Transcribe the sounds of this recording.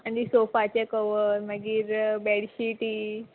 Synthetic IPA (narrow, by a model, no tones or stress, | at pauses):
aɳdisofat͡ɕekəʋəɾməɡiːɾbɛɽɕiʈiː